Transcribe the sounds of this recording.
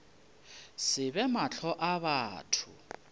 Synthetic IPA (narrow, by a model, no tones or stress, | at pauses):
sɪβɛmaɬʰɔʔaβaːtʰʊ̰